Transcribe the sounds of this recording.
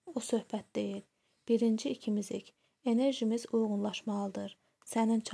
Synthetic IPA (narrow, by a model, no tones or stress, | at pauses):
usø̞hbæt̪̚d̪e̞jil | b̥iɾind͡ʒiːcʰimizicʰ | e̞ne̞ɾʒimizujɣunlˠɑʃmɑɯd̪ɯɾ | sænimt͡ʃʰ